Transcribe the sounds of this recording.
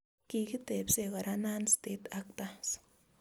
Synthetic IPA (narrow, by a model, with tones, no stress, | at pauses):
ki˧ki˦t̪e˨bse˧ɣa˨ɾa˧na˦nst̪e˧t̪a˧kt̪a˦s